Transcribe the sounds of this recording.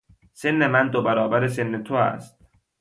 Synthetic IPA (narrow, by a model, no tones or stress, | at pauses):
se̞nːemænd̪obæɾɒːbæɾes̬e̞nːet̪ʰoæ̰st̪̚